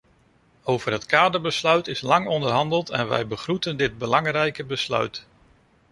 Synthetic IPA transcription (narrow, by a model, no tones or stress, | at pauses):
owvərɦətkaːdəɹbəslœɥtɪslɑŋɔndərɦɑndəlˠtɛnʋɛ̰jbəχrutəndɪd̚bəlɑŋrɛjkəbəslœ̰ɥt